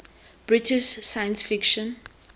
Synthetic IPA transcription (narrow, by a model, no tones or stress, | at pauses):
b̥ɹɪtɪʃsajə̃nsfɪkʃɔ̃n